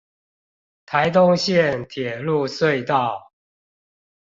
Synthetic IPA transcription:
t̪ʰa˨˦ɪt̪ʊ˦ŋɕjɛ˥˨nt̪ʰjɛ˨˩lu˥˨swe˥˨ɪt̪ɑ˥˨ʊ

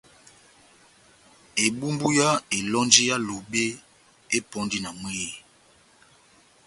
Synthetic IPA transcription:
e˨bu˦mbu˦ja˦e˨lɔ˦nd͡ʒi˦ja˦lo˨be˦ | e˦pɔ˦ndi˦na˨mwi˦˨

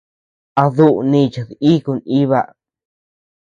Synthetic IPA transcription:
a˧ðu˦ʔu˨˧nĩ˧˨t͡ʃa˨ði˦ku˧ni˦βa˧ʔ

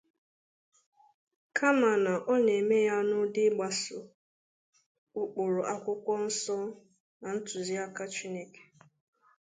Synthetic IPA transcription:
kʰa˦ma˨na˨ʔɔ˦ne˨me˦ja˦nʊ˦dɪ˦ɡ͡ba˨sʊ˨ | ʊ˦k͡pʊ˨ɾʊ˨ʔa˦kʷʊ˦kʷɔ˦n̩˦sɔ˦ | na˨n̩˦tʊ˨zi˦a˦ka˦t͡ʃi˦ne˦ke̥˨

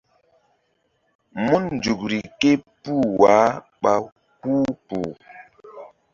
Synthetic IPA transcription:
mu˦nn˨d͡ʒu˨k̚ɾi˨ke˦pu˦˨wa˨˦ | ɓa˦ | huː˦pu˨

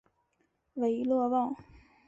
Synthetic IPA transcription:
we˧˥ɪlwɔ˥˧wɑ˥˩ŋ

